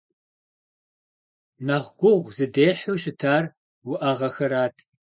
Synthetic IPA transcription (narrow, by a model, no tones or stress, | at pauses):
naʁʷɡʷʊʁʷzɨdeːħuːʃɪtʰaːr | wʊʔɐʁɐxɐɾaːtʰ